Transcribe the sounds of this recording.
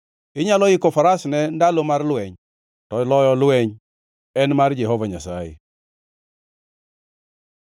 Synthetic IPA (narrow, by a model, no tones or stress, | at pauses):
ɪɲalɔjikofaɾasnɛndalomaɾlʊwɛɲ | tɔilɔjɔlʊwɛɲ | ɛnmaɾd͡ʒɛɦovaɲasajḭ